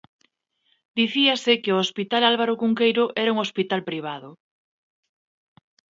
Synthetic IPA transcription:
d̪iθiasɪkɪoospit̪alalβaɾokuŋkejɾʊʔɛɾauŋospit̪alpɾiβ̞aðʊ

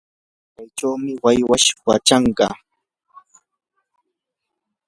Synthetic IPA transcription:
t͡ʃajʈ͡ʂawmɪwajwaʃka̰t͡ʃɑɴɢɑ̰

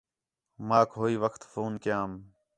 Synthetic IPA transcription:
maːkɦoːiːʋəkʰt̪foːnkɪjaːm

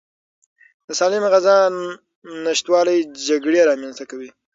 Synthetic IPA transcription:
d̪̥əsɑlɪmɣazɑ | nɪʃt̪wɑlajd͡ʒaɡɽeɾɑmjɑnst̪akawi

